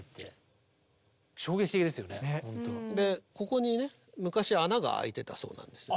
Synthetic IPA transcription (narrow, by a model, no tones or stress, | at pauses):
t̪ʰːe | ɕo̞ːɡekʲi̥t̪ekʲid̪e̞sɨjo̞neõnt̪od̪e̞ko̞ko̞ɲ̟ine̞ | mɯ̟kaɕianaɡa̰a̰it̪e̞t̪aso̞̰ːnã̰nd̪e̞sɨ